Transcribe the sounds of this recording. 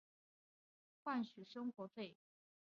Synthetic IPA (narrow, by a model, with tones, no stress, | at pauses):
xwa˥˩nɕy˨˩ʂɤ˥ŋxwɔ˧˥fe˥˩ɪ